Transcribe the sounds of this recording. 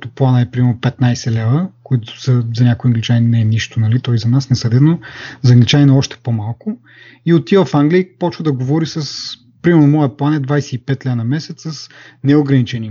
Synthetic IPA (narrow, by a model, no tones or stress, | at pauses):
t̪ʊplˠanəɛpɾimɛɾnʊpɛt̪najsɛlɛvəkoit̪ʊ̥səzɐnʲakʊiɐŋɡlit͡ʃanʲnɛɛniʃt̪ʊnɐlit̪ɔizɐnasnɛsɐd̪ɛd̪nozɐŋɡlit͡ʃanʲɛnɐɔʃt̪ɛ̥pomalˠkʊ | iot̪ivəfaŋɡlʲiipɔt͡ʃvəd̪ɐɡovɔɾisəs | pɾimɛɾnomɔjəplˠanɛd̪vajsɛipɛt̪lʲɛvnɐmɛsɛt̪səsnɛoɡɾɐnit͡ʃɛni